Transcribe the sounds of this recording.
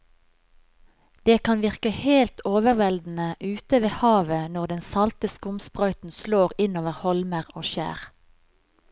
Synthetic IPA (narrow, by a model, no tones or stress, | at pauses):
d̪̥eːkʰɑnʋɪʁkəheːlt̪ʰoːʋəʁʋɛld̪n̩əʔʉːt̪əʋeːhɑːʋənɔʁd̪ɛnsɑlt̪əskʊmspʁœʏt̪n̩sloːʁɪnoːʋəʁhɔlməʁoːʃæ̰ːʁ